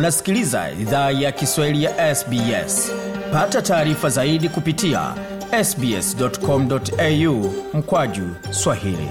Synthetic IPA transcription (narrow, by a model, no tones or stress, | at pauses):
nasi̥kiliza̰ḭðaːjakiswahilijaʔɛsbiɛ̰spatataːɾifazaiɗikupitia̰ | ɛsbiɛ̰sdɔtkɔm̩dɔtɛjum̩kwaʄu | swahḭlḭ